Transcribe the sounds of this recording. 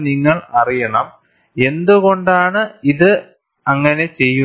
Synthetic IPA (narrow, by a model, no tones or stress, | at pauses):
niŋːɐɭɐrijɐɳɐm | e̞nd̪uɣo̞ɳɖaːɳɨiðɨ | ɐŋːɐne̞t͡ɕe̞jːu